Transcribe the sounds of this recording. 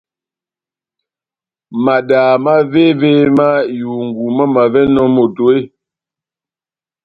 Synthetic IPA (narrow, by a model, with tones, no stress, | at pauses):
ma˨daː˨ma˦ve˦ve˦ma˦ju˨ŋɡu˨ma˦ma˨vɛ˦nɔ˦mo˨to˨e˦